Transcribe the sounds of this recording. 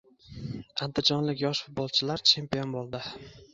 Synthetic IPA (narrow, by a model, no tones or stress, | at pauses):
and̪ɪd͡ʒɒnlɪkʲjɒʃfʊt̪̚bɒlˠt͡ʃʰɪlaɾt͡ʃʰe̞mpijo̞nbolˠd̪ɪ